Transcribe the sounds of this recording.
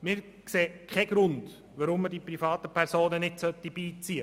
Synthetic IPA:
mɪɾ | kseːkʰɛɡ̥ɾʊnd̥ | ʋaɾʊmːədipɾifɑːt̪əpʰɛɾsoːnənɪdsœt̪ːib̥iːt͡siə

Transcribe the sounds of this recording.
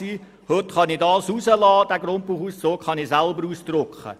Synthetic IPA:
iː | høtχɑnidɑːsuzəlɑːd̥æɡɾʊnt̚puːχuːssoːkχɑnisælbəɾuːsd̥̪rʊkχə̰

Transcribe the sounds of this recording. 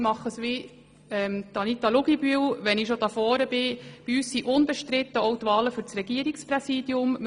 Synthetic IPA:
mɑχːəsʋi | ɛmt̪ɑnit̪ɑlʊɡibyəwʋɛnɪʃod̥̪ɑfɔːɾəbɪb̥iyːssiʔʊnbəʃtɾɪt̪ːəɔʊt̪ʋɑːləfʏɾt͡sɾɛɡ̥iəɾiksprɛsiːd̥̪jʊmm

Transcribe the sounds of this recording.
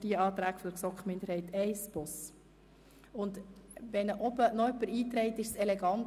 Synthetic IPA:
d̥iəɑːt̪ɾæːɡ̥fɔd̥̪əɾsɔkχmɪndəɾhɛɪtɛɪsb̥ʊs | ʊnd̪ʋɛnəʔɔbənɔœpːəɾiːt̪ɾɛɪt̪ɪʃsɛleɡɑnt

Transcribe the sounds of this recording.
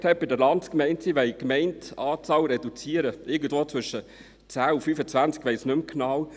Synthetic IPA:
thɛp̚bɪdəɾlɑntkmɛɪntsiʋɛɪkmɛɪntɑːt͡sɑːwɾɛdut͡siəɾəʔɪɡən̩dvoːt͡sʋʏʃə | t͡sæːufyfət͡sʋænt͡skʋɛɪsnɵmknɑw

